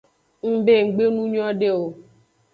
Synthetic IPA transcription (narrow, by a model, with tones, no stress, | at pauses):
ŋ̩˦be˦˨ŋ̩˨ɡ͡be˦nũ˦ɲɔ̃˦ɖe˦o˨